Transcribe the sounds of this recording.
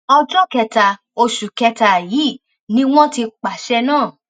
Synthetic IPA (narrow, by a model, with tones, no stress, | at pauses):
ɔ˧d͡ʒɔ˦kɛ˧ta˨ | o˧ʃu˨kɛ˧ta˨jiː˨˦˨ | nĩ˦w̃ɔ̃˦ti˧k͡pa˨ʃɛ˧nãː˦˨